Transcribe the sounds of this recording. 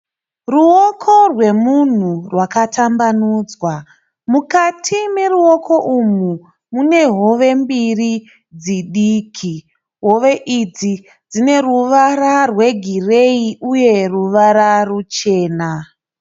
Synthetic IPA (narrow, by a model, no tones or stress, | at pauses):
ruokʰo̞rwe̞mun̤urwakatʰambanuːd͡zwa | mukatʰime̞ruo̞kʰo̞ʔumu | mune̞ɦo̞ʋe̞mbiri | d͡ziɗiːkʰi | ɦo̞ʋe̞ʔid͡zi | d͡zine̞ruʋararwe̞ɡʱire̞iuje̞ruʋaɾarut͡ʃe̞ːna